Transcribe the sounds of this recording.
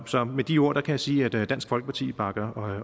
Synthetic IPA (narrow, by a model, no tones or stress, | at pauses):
sɒ̽med̥io̝ɐ̰d̥ɑ̈kʰæjasiːæd̥d̥æn̰sɡ̥fɒ̽lɡ̥əpʰɑ̈t͡sʰḭːb̥ɑ̈ɡ̥ɐɒ